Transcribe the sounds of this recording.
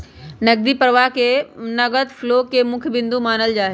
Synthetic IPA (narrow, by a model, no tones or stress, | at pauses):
nɐɡ̚d̪iːpəɾʋaɦkenɐɡət̪floːkemʊ̃kʰjbɪ̃nd̪umaːnəld͡ʒaːɦe